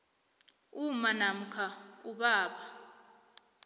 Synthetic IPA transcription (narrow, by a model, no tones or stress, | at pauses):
umanam̩kʰauɓaːɓa